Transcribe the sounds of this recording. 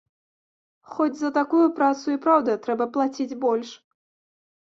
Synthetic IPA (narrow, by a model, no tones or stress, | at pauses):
xɔd͡zʲzɐt̪akujupɾat̪suipɾawd̪ɐt̪ɾɛbɐplˠat͡sʲid͡zʲbɔlʲʂ